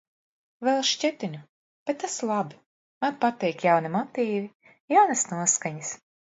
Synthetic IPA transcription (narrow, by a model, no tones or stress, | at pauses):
vɛlˠʃt͡ʃɛt̪inʲu | b̥et̪ːaslˠabi | manpat̪ɛjkjawnimɔt̪iːvi | jawnasnuɔskaɲas